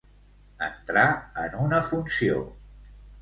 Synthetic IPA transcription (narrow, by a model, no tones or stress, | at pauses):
ə̰nt̪ɾaə̰nunəfunsio̰